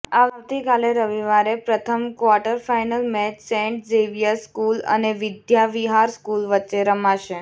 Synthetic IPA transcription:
aʋaʋt̪ikaleɾəʋiʋaɾepɾət̪ʰəmkʋaɾʈəɾfajnəlmɛt͡ɕsẽɳʈ̚d͡zeʋijaskulə̰neʋid̪jaʋiɦaɾskulʋətːt͡ʃeɾəmaʃe

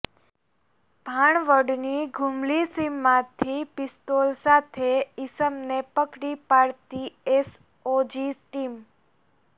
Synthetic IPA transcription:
bʱaɳʋəɖniɡʱumlisimːãt̪ʰipɪst̪olsat̪ʰeɪsəmnepəkɽipaɽt̪ies | od͡ʒiʈim

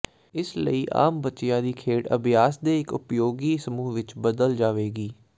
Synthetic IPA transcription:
ɪslə̰iːʔa̰ːmbətːt͡ʃɪjãːd̪iːkʰeːɽə̰bjaːsd̪eːɪkʊpjoːɡiːsəmuːʋɪt͡ʃbəd̪əld͡ʒaːʋeːɡiː

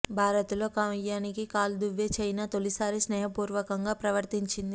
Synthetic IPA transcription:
bʱaːɾɐt̪ulo̞ːkamɐjaːnikikaːld̪uʋːeːt͡ʃɐjnaːt̪olisaːɾisnɛːɦɐpuːɾʋɐkɐŋɡaːpɾɐʋɐɾt̪iɲt͡ʃind̪i

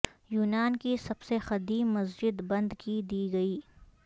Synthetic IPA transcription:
juːnaːnkisɐbsexɐd̪iːmɐsd͡ʒɪd̪bɐ̃nd̪kid̪iːɡɐiː

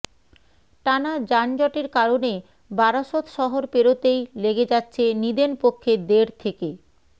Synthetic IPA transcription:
ʈanad͡ʑand͡ʑɔʈeɾkaɾone | baɾaʃot̪ʃɔɦoɾpeɾot̪ejleɡed͡ʑatːɕʰenid̪enpokʰːed̪eɾt̪ʰeke

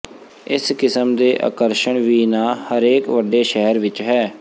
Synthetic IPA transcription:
ɪskɪsəmd̪eːʔa̰ːkəɾʃəɳʋiːnãːhəɾeːkʋəɖeːʃɛɦəɾʋɪt͡ʃɦɛː

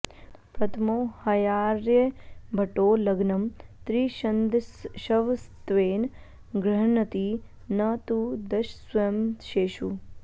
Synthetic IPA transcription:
pɾɐt̪ʰmoːhɐjaːɾjebʱɐʈoːlɐɡnɐmt̪ɾiːʃɐnd̪ʃɐʋst̪ʋeːn | ɡɾɐɦnɐt̪iː | naːt̪ud̪ɐʃswʋɐjɐmʃeːʃu

